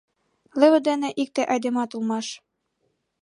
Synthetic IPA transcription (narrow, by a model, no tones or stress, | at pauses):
lɘ̆βɘ̆d̪ænɘ̆ʔik̚t̪ĕʔɑjd̪ɘ̆mɑt̪ulˠmɑʃ